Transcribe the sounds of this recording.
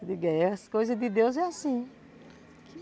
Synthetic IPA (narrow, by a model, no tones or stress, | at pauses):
d̪ɪɡɛhɐskojzɐd̪ɪd̪ewzɛasĩ | kɪ